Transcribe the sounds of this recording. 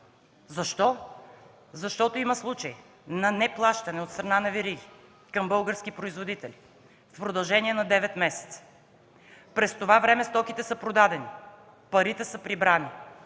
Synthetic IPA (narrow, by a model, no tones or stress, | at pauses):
zɐʃt̪ɔ | zɐʃt̪ɔt̪oimɐslˠut͡ʃəj | nɐnɛplˠaʃt̪ɐnɛot̪st̪ɾɐnanɐviɾiɡ̟ʲi | kɐmbɤlˠɡəɾsk̟ipɾoizvod̪it̪ɛlʲi | fpɾod̪ɐlˠʒɛniɛnɐd̪ɛvɛt̪mɛsɛ̥t̪sə̥ | pɾɛst̪ovavɾɛmɛst̪ɔkit̪ɛsəpɾod̪ad̪ɛni | pɐɾit̪ɛsəpɾibɾani